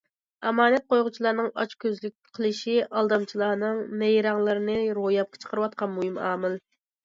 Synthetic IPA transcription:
ɛmɑːnɛt̪̚qʰojʁʊt͡ʃʰilˠɑɾnɨŋɑt͡ʃkʲʰøzlyk̚ʲqʰəlˠɨʃiʔɑlˠd̪ɑmt͡ʃʰilˠɑːnɨŋnɛjɾɑŋlˠɨɾɨnɨɾojɑp̚qʰə̥t͡ʃʰə̥qʰəɾɨwɑt̪̚qʰɑnmuhɨmɑ̰ːmɪl

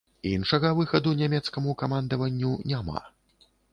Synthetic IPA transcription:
inʂɐɣɐvɨxɐd̪unʲamʲɛt̪skɐmukamand̪ɐvɐnʲːunʲama̰

